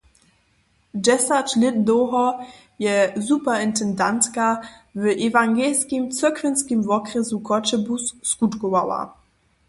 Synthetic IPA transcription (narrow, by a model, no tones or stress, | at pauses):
d͡ʒɛsatlɪddoɦɔ | jɛzupɐɪntɛndantkavəʔevaŋɡɛlskimt͡səɐkvənskimvɔkʁəzukʰɔt͡ʃəbusːkutkowa̰wa̰